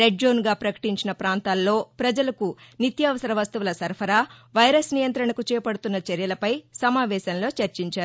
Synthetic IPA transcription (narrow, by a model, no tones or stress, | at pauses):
ɾeɖd͡ʒoːnɡaːpɾɐkɐ̥ʈiɲt͡ʃinɐpɾaːnt̪aːlːo̞ːpɾɐd͡ʒɐlɐkunit̪jaːʋɐsɐɾɐʋɐst̪uʋulɐsɐɾpʰɐɾaːʋɐjɾɐsnijɐnt̪ɾɐɳɐkut͡ʃɛːɐpɐɽut̪unːɐt͡ʃɐɾjɐlɐpɐjsɐmaːʋɛːsɐnlo̞ːt͡ʃɐɾt͡ʃiɲt͡ʃaːɾu